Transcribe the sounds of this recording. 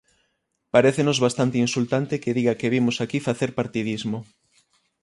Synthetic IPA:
paɾeθenozβast̪ant̪einsult̪ant̪ekeðiɣakeβimosakifaθeɾpaɾt̪iðizmo

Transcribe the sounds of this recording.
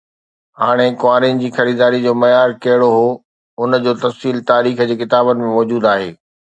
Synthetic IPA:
ɦaːɽ̃ekʊaːɾinɪ̆d͡ʑiːxɐɾiːd̪aːɾid͡ʑoːmɐjaːɾkɐɦɪɽoɦoː | ʊnd͡ʑoːt̪ɐfsiːlt̪aːɾiːxd͡ʑeːkɪt̪aːbənɪ̆mẽmɔːd͡ʑuːd̪aːɦeː

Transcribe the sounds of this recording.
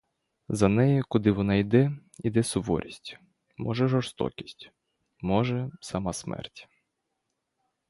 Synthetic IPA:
zɐnɛjikʊd̪ɪʋɔnɑid̪ɛ | id̪ɛsɔʋɔ̰ɾʲisʲtʲ | mɔʒɛʒɔrst̪ɔ̰kʲi̥sʲtʲ | mɔʒɛsɐmɑsmɛ̰rtʲ

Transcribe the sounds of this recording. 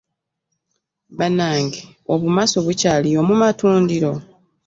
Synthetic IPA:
βanaːŋɡe | oβumasoβucaːliomumatuːndiɾo̞

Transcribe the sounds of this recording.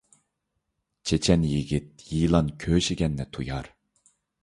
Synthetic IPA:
t͡ʃʰet͡ʃʰɛnjiɡʲit̪̚jiːlˠɑnkʲʰøːʃiɡʲɛnːɛt̪ʰujɑɾ

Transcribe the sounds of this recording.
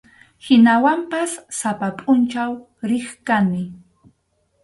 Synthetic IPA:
hɪnawampasːapapʼʊnt͡ʃaw | ɾɪχkanɪ

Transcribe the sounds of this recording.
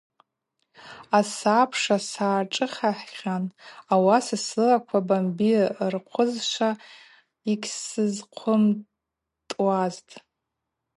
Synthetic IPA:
asapʰʂasaːʈ͡ʂʼɨχʲaħʲanawasasɨlakʷʰabambirqʷʰʊzʃʷa | ikʲsɨzqʷʰʊm | tʼwaztʼ

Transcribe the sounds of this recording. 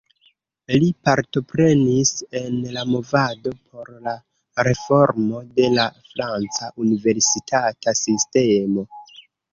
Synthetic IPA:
lipaɾto̞pɾe̞nise̞nlamo̞vado̞pʰo̞ɾla | ɾe̞fo̞ɾmo̞de̞lafɾant͡saʔunive̞ɾsitʰatasiste̞mo̞

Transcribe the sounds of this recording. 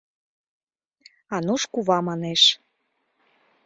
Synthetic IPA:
ɑnuʃkuβɑmɑneʃ

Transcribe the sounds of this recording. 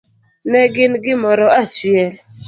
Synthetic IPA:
nɛɡɪnɡɪmɔɾɔat͡ʃɪɛl

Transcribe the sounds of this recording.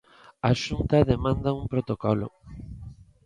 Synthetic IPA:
aʃunt̪aðemãnd̪aumpɾot̪okɔlo̰

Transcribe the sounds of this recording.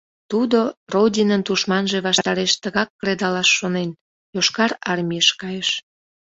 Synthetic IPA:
t̪ud̪orodʲinənt̪uʃmɑnʒe̽βɑʃt̪ɑɾeʃt̪əɣɑkːɾed̪ɑlɑʃːonen | joʃkɑɾɑrmʲiəʃkɑjeʃ

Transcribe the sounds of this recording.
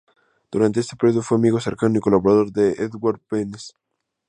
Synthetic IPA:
d̪̥uɾant̪e̞est̪epeɾjoðofweamiɣose̞ɾkanoiko̞laβoɾaðo̞ɾðeʔeðɣwaɾpenes

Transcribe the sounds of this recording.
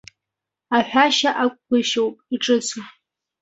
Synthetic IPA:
aħʷᶣaʃaʔakʷʼkʷʊʃowpʼiʈ͡ʂʼɨt͡sʰu

